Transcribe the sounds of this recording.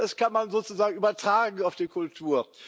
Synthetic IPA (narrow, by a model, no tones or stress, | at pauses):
ɛskʰanmanzoːt͡suzaːɡŋ̩yːbɐtʁ̥aːɡŋ̩aʊfd̥iːkʰʊltʰuːɐ